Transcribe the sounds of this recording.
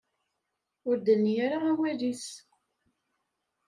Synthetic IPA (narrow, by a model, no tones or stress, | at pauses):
ʊɾd̪ənːjaɾaawælis